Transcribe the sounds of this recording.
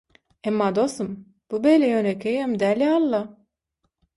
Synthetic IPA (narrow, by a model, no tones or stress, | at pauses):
ɛmːad̪ost̪um | b̥ubelʲɛjønekʰʲejɛmd̪ælialˠːa